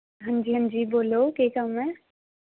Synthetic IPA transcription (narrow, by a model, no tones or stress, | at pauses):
ɦə̃nd͡ʒiːɦə̃nd͡ʒiboːlokekamɛ̃ː